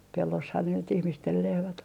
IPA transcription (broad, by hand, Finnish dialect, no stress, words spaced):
pelːoshɑn ne nyt ihmistel lehmæt